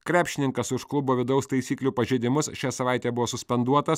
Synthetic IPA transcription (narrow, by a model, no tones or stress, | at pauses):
kɾʲæːpʲʃʲɪnʲɪŋkɐsʊʃklˠʊboːʋʲɪd̪ɐʊst̪ɐɪsʲiːklʲuːpɐʒʲeːd̪ʲɪmʊsʃʲæːsɐʋɑˑɪt̪ʲeːbʊʋoɔːsʊsʲpʲɛnd̪uɔt̪ɐs